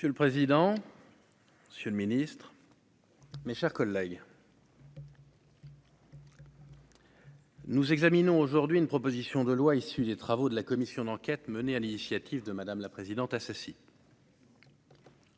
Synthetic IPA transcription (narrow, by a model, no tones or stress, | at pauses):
əsjøləpχezid̪ɑ̃ | məsjøləminist̪χ | meʃɛʁkɔlːɛɡ | nuzɛɡzaminɔ̃oʒuʁd̪ɥiynpχɔpozisjɔ̃d̪əlwaisyd̪et̪χavod̪əlakɔmisjɔ̃d̪ɑ̃kʲɛt̪mənealinisjat̪ivd̪əmad̪amlapχezid̪ɑ̃t̪asasi